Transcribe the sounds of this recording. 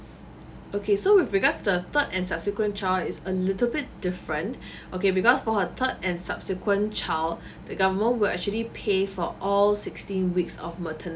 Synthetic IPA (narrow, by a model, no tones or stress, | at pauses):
okʰesowɪfɹiɡadstudət̪ədɛ̃nsab̥̚sikwə̃nt͡ʃaɪsəlɪtəl̩bɪt̚d̥ɪfɹə̃nt | ʔokebikɔsfɔhət̪ʰədɛ̃nsapsikwə̃nt͡ʃʰal | d̥əɡavəmə̃nwɪlɛ̰k̚t͡ʃuəlipʰefɔʔɔlsɪkstĩnwiksɔ̰fmətʰən